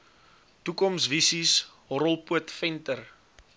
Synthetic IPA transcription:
tukɔmsvisisɦɔɾəlˠpuətfɛntər

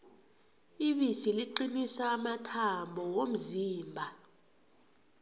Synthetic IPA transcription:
iɓisiliǃinisaːmatʰambʱɔwom̩ziːmbʱa

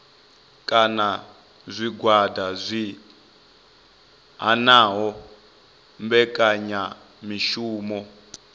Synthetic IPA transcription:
kʼana | zʷiɡwadʱazʷi | ɦanaːɦɔ | mbɛkʼaɲa | miʃuːmɔ

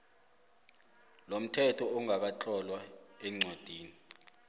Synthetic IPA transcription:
lom̩tʰɛtʰɔɔŋaɓ̬at͡ɬʼɔlwaɛŋ͡ǀod̥ʱiːni

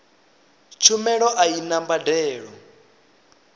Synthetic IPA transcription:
t͡ʃʰumɛɺɔʔainambadɛːɺɔ

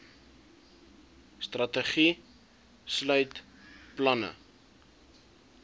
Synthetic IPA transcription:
strɐtəχi | slœɥt | plɐnə̰

